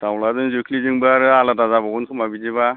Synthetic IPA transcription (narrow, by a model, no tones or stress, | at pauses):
tawlazɯŋzukʰliziŋbaɾɯaladazabaɡunkʰɯmabizeβa